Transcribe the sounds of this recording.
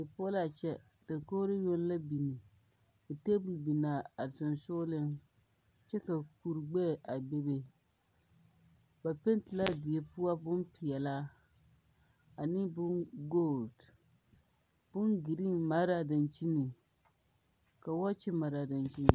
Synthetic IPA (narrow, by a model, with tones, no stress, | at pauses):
dɨ˨po˦la˨t͡ʃɛ˦ | d̥ɨ˨ko˦ɾɨ˦jo˦n˦la˦bi˨ni˨ | dɨ˨te˦bu˨lbi˨naː˨a˨tɨ˨nsʊ˦lɨ˦n | t͡ʃɛ˦ka˨ku˨ɾɡ͡bɛ˦˨ʔa˨be˦be˦ | ba˨pɪ˦n˦tɪ˨la˦dɪ˨ɛ˨pu˦a˦bʊ˦npi˨jɛ˨la˦ | a˨nɪ˦bʊ˦nɡo˦˨ld | b̥ʊ˦nɡi˨ɾi˦ma˦ɾa˨dɨ˨nt͡ʃi˦nɨ˨ | ka˨wa˦t͡ʃi˦ma˨ɾa˨dɪ˨nt͡ʃi˦nɨ˨